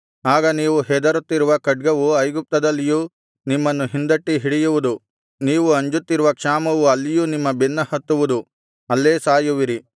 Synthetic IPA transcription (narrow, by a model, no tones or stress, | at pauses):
aːɡɐniːʋuɦɛd̪ɐɾut̪ːiɾuʋɐkɐɖ̚ɡɐʋuɐjɡup̚t̪ɐd̪ɐlːijuː | nimːɐnːuɦind̪ɐʈːiɦiɽijuʋud̪u | niːʋuɐɲd͡ʒut̪ːiɾuʋɐkʂaːmɐʋuɐlːijuːnimːɐbinːɐhɐt̪ːuʋud̪u | ɐlːeːsaːjuʋiɾi